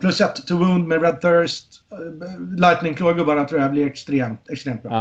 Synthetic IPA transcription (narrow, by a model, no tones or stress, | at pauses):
pʰlɵsɛt̪ʰːʊwuːnd̪mɛɾɛd̪̚θœɹst̪ | lajt̪nɪŋkʰloːɡɵbaɳat̪ʰɾuːablɪɛkst̪ɾeːmt̪ɛkst̪ɾeːmt̪bɾɑ̰